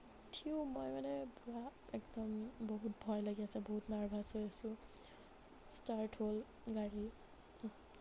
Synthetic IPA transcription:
tʰiumɔjmanɛbuɹaɛkdɔmbɔɦutbʱɔjlaɡiasɛbɔɦutnaɹbʱasojasʊ̃ | staɹʈʰhol | ɡaɹi

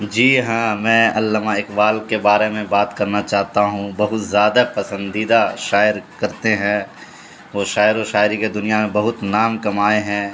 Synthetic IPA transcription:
d͡ʒiːɦãːmɛ̃ːɐlːəmaɪkbaːlkebaːɾemẽbaːt̪kɐɾnat͡ʃaːɦt̪aɦũbɐɦʊt̪zjaːd̪apɐsə̃nd̪iːd̪aʃaːɪɾkɐɾt̪eɦɛ̃ː | ʋoːʃaːɪɾoʃaːɪɾiked̪ʊnijamẽbɐɦʊt̪naːmkɐmaːeɦɛ̃ː

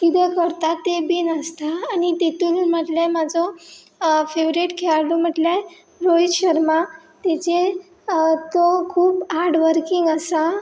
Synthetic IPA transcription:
kit̪ɛkəɾt̪at̪ːebinəst̪aːnit̪et̪uːlm̤əʈljajmad͡zɔ | feʋɾeʈkʰeaɾlum̤əʈlja | ɾojɕəɾma | t̪et͡ɕe | t̪okʰuːpaɾɖʋəɾkiŋɡəsa

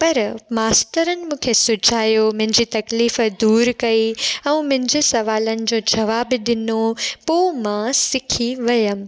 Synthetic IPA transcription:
pɐɾmaːst̪əɾənɪ̆mũːkʰesʊd͡ʑʱaːjomʊ̃ɦɪ̃ɲd͡ʑiːt̪ɐkliːfd̪uːɾkɐiɛ̃ːmʊ̃ɦɪ̃ɲd͡ʑesɐʋaːlənɪ̆d͡ʑoːd͡ʑɐʋaːbɗɪnopoːmãsɪkʰiʋɐjəm̆

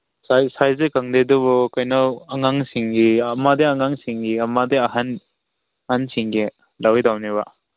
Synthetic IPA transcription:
sajsajzekaŋdedɔβɔkajnaɐŋaŋsiŋɡiamadeaŋaŋsiŋɡiɐmadeɐɦan | hansiŋɡi | lawjdawniβa

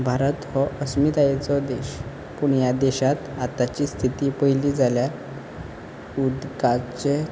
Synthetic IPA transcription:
bʱaɾət̪hɔʔəsmit̪ajet͡sɔd̪eɕ | puɳjad̪ɛɕat̪at̪at͡ɕiːst̪ʰit̪iːpəiliːd͡zalja | ud̪ɡat͡ɕe

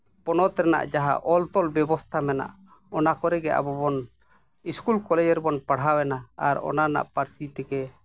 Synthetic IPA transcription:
pɔnɔt̪ɾɛna̰ʔd͡ʒaɦa̰ʔɔlt̪ɔlbɛbɔst̪ʰamɛna̰ʔ | ɔnakɔɾɛɡɛʔa̰bɔbɔn | iskulkɔlɛd͡ʒɛɾbɔnpaɽ̤ɦawɛnaaɾɔ̰nana̰ʔpaɾsit̪ɛkɛ

